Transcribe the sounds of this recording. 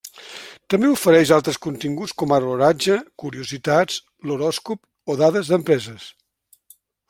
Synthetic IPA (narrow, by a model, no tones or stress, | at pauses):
t̪əmbeufəɾɛʃalˠt̪ɾəskunt̪iŋɡut͡skɔməruɾad͡ʒəkuɾiuzit̪at͡s | luɾɔskup | oðaðəzðəmpɾɛzəs